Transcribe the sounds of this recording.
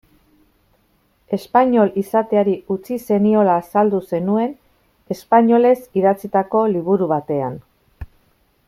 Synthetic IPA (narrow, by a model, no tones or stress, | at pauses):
e̞spaɲo̞lisat̪e̞aɾiut͡sise̞nio̞laːsald̪use̞nue̞n | e̞spaɲo̞le̞siðat͡sit̪ako̞liβ̞uɾuβat̪e̞a̰n